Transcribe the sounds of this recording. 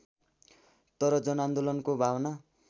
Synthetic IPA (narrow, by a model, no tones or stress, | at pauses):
t̪ʌɾʌd͡zʌnand̪olʌnkobʱawna